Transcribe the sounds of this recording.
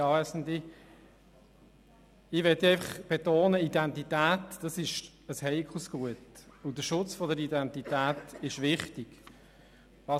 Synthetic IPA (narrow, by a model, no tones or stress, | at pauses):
ɑɛsn̩di | ɪʋɛt̪ːiɛɪfɑχb̥et̪oːnəidɛntitæːtd̥ɑsɪʃ | əshɛɪkʰusɡ̥uətʊd̥əʃʊt͡sfɔdəɾidɛntit̪æːtɪʃʋɪχtiɡ̥ | ɑ